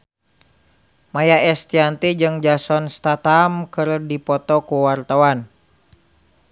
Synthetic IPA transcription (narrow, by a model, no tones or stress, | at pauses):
majaɛst̪iant̪id͡ʒɨŋd͡ʒasɔnst̪at̪amkɨrdipɔt̪ɔkuwart̪awan